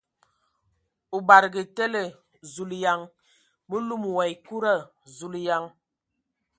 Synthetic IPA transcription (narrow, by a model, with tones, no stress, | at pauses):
u˨ba˨ɾɡi˨te˦le˨ | zu˨lja˨ŋ | mə˦lu˦˨m˨wa˨i˨ku˦ɾa˦˨ | zu˨lja˨ŋ